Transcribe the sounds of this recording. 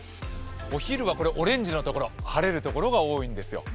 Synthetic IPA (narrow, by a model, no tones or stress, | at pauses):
o̞çiɾɯ̟β̞ako̞ɾeʔo̞ɾẽ̞ɲ̟d͡ʑino̞t̪o̞ko̞ɾo̞haɾe̞ɾɯ̟t̪o̞ko̞ɾo̞ɡao̞ːĩnd̪e̞sɨjo̞̰